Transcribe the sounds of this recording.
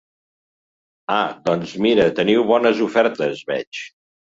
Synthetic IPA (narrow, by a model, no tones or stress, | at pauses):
ad̪ɔnzmiɾət̪əniwβɔnəzufɛɾt̪əzβɛt͡ʃ